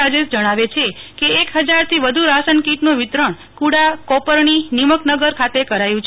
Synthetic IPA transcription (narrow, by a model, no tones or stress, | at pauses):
ad͡ʒesd͡ʒəɽ̃aʋet͡ʃʰekeːkɦəd͡ʒaɾt̪ʰiʋəd̪ʱuɾasənkiʈnũʋɪt̪ɾəɳ̃ | kuɽakɔpəɾɳiniməknəɡəɾkʰat̪ekəɾajũt͡ʃʰ